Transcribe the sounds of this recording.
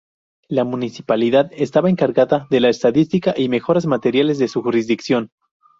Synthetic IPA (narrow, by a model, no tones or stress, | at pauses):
lamũnisipaliðaðe̞st̪aβae̞ŋkaɾɣaðaðe̞laest̪aðist̪ikaʔime̞xo̞ɾazmat̪e̞ɾjale̞zðe̞suxuɾizd̪iksjo̞n